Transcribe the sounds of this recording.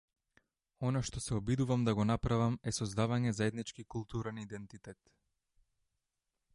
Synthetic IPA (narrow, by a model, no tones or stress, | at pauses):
ɔnaʃt̪ɔsɛɔbid̪uvamd̪aɡɔnapɾavamɛsɔzd̪avaɲɛzaɛd̪nit͡ʃkikulˠt̪uɾɛnid̪ɛnt̪it̪ɛt̪